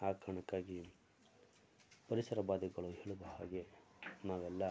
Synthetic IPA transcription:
aːkʰɐɳɐkːaːɡi | pɐɾisɐɾɐbaːd̪iɡɐɭuɦeːɭud̪ɐha̰ːɡe̞ | naːʋɛlːɐ

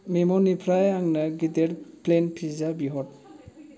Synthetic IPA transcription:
memɔnipʰɾajaŋnaɡideɾplenpʰizabiɦɔt

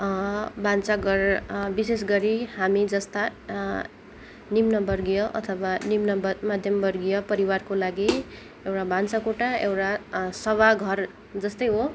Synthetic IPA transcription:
bant͡saɡʌrbises̬ɡʌɾihamid͡zʌst̪a | nimnʌbʌrɡijʌʔʌ̰t̪ʰʌbanimnʌbmad̪ʱjʌmbʌrɡijʌpʌɾiwarkolaɡi | ewʈabant͡sakoʈaewʈasʌβaɡʱʌr | d͡zʌst̪ʌjɦo

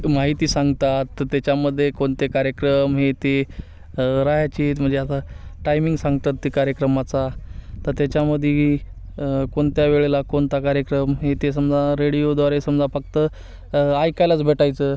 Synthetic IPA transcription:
maɦit̪iːsãŋɡt̪at̪ːjat͡ɕaməd̪ʱːjekoɳt̪ekaɾjəkɾəmɦet̪e | ɾaɦjat͡ɕiːt̪m̤əɳd͡zeat̪aʈajmĩŋɡsãŋɡt̪at̪ːikaɾjəkɾəmat͡sat̪əɾt̪jat͡ɕaməd̪ʱje | koɳt̪jaʋeɭelakoɳt̪akaɾjəkɾəmɦet̪es̬əmd͡zaɾeɽijod̪ʋaɾesəmd͡zafək̚t̪ə | ajkajlat͡sbʱeʈajt͡səː

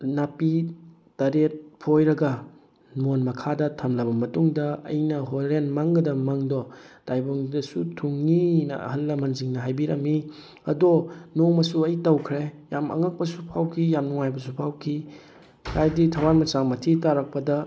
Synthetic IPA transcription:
napi | tɐɾet̚pʰojɾɐɡɐ | nonmɐkʰadɐtʰɐmlɐbɐmɐtuŋdɐɐ̰jnɐɦoɾenmaŋɡɐdɐmaŋdɔd̥ajboŋdɐsutʰuŋːinɐ̰ɐ̰hɐlːɐmɐnziŋnɐɦajbiɾɐmi | ɐ̰dɔnoŋmɐsuɐjtɐwkʰɾejamɐ̰ŋɐk̚pɐsupʰawkʰijamnuŋajbɐs̬upʰawkʰi | hʰajditʰɐwanmɐsaŋmɐtʰitaɾak̚pɐdɐ

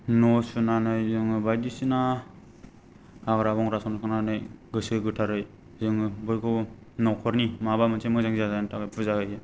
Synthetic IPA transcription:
nɔsunanɯjzɯŋɯbajdisina | aɡɾabɔŋɾasɔnkʰɯnanɯjɡɯsɯɡɯtʰaɾɯj | zɯŋbɔjkʰɔ | nɔwkʰɔɾnimabamɯt͡ʃʰemɯzɯŋzazantakɯjpʰuzahɯjɯ

